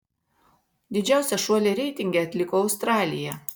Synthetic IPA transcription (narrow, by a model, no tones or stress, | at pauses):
d̪ʲɪd͡ʒʲæˑʊsʲɛʃuɔlʲeɾʲɛɪt̪ʲɪŋʲɡʲɛɐt̪ʲlʲɪkoːɐʊst̪ɾɑːlʲɪjɛ